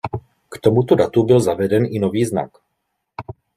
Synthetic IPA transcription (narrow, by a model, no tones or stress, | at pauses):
kt̪omut̪odat̪ubɪlzavɛdɛnʔɪnoviːzna̰k